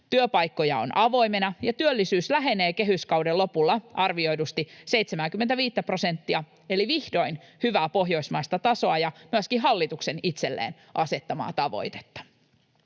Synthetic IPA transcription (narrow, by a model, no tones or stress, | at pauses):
t̪yøpɑjkːo̞jɑo̰nʔɑʋo̞jmenɑjɑt̪yølːisyːslæɦe̞ne̞ːkeɦyskɑwdelːo̞pulːɑʔɑrʋioidust̪isejt̪semæŋkymːent̪æʋiːt̪ːæpro̞se̞nt̪ːiɑ | e̞liʋihdo̞inhyʋæːpo̞ɦjo̞ismɑist̪ɑt̪ɑso̞ɑjɑmyøskiɦɑlːit̪ukse̞nit̪se̞lːḛːn | ʔɑse̞t̪ːɑmɑ̰ːt̪ɑʋo̰jt̪e̥t̪ːɑ̥